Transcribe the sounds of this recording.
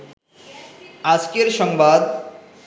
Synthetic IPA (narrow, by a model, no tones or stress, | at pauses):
ad͡ʑkeɾʃɔŋbad̪